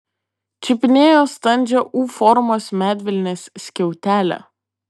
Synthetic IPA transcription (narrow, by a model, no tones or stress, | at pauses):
t͡ʃʲɪpʲɪnʲeːjoːst̪ɐnʲd͡ʒʲɛʔuːfɔɾmoːsmʲæːd̪ʲʋʲɪlʲnʲeːsːʲkʲɛʊt̪ʲæːlʲɛ̰